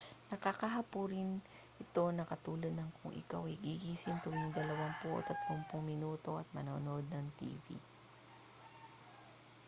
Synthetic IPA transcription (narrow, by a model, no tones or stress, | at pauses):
nɐkakɐɦɐpuɾɪn | ʔɪt̪o̞nɐkɐt̪uːlɐd̪̚nɐŋkʰʊŋʔɪ̰kawɐjɡiɡisɪnt̪ʊwɪŋd̪ɐlɐwaŋpʊʔo̰t̪ɐt̪lompʊŋmɪnuːt̪o̞ʔɐt̪̚mɐnoːnoʔod̪̚nɐŋt̪ḭːvḭ